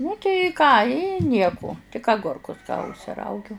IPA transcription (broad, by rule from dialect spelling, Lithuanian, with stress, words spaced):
nʊ tɐɪ ˈkɑː ɪ ˈnʲiɛkʊ tʲɪk ɐˈɡʊrkʊs ʊʃʲsʲɪˈrɐʊɡʲʊ